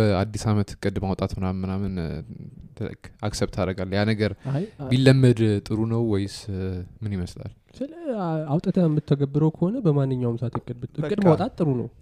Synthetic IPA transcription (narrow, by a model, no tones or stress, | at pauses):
bəad̪ːisamət̪kʼɨd̪mawt̪ʼat̪hɨnamːɨnamɨnʰ | ɡaksɛβt̪ʰad̪əɡalːjanəɡəɾbilːəmːəd̪t̪ʼɨɾunəwːɔjɪsmɨniməsla̰l | sɨləawt̪ʼət̪ʰəɛmːɨt̪ʰːəɡəbːɨɾəwkʰəho̞nəbəmanːɨɲːawmsat̪ɨkʼːɨd̪bɨt̪ɨkʼɨd̪mawtʼat̪ʼːɨɾunəw